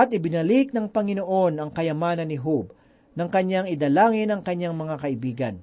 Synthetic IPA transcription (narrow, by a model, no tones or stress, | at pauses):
ʔɐt̪̚ʔɪbɪnɐlɪk̚nɐŋpɐŋɪnoʔo̞nɐŋkɐjɐmaːnɐnːɪɦub̚ | nɐŋkɐɲːaŋɪd̪ɐlaːŋɪnɐŋkɐɲːaŋmɐŋakɐʔɪbiːɡɐ̰n